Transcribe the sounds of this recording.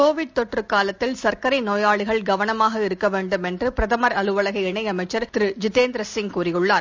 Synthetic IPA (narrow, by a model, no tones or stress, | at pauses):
koːʋɪɽ̚t̪ɔʈrɯkaːlɐt̪ːɪlsɐɾkɐɾɐɪnoːjaːɭɪɣɐɭɡɐʋɐnɐmaːɣɐɪɾɯkːɐʋeːɳɖɯmɛndrɯpɪɾɐðɐmɐɾɐlɯʋɐɭɐɣɐɪɛɳɐɪɐmɐɪt͡ʃːɐɾt̪ɪɾɯd͡ʒɪteːnd̪ɾɐsɪŋkuːrɪjɯɭːaːɾ